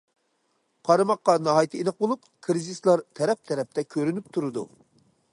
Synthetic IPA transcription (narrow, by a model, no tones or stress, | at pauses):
qʰɑɾɨmɑqːɑnɑɦɑjt̪ʰɨinɑq̚bolˠup̚ | kʰɾɨzislˠɑɾt̪ʰɛɾɛp̚t̪ʰɛɾɛp̚t̪ɛkʲʰøɾynypt̪ʰuɾɨd̪ṵ